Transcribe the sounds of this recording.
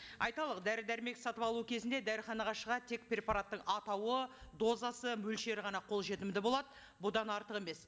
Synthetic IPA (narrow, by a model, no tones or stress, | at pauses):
ɑjt̪ɑlˠəqd̪æɾɪd̪æɾɪme̞ksɑt̪əpɑlˠuəkʲʰe̞zɪnd̪ed̪æɾɪχɑnɑʁɑʃəʁɑt̪ʰe̞k̚pɾʲe̞paɾat̪ːəɴɑt̪ɑwəd̪o̞zɑsəmɵlʃe̞ɾɪʁɑnɑqʰo̞lˠʒe̞t̪ɪmd̪ɪbo̞lˠɑd̪ə | bʊd̪ɑnɑɾt̪əqe̞me̞s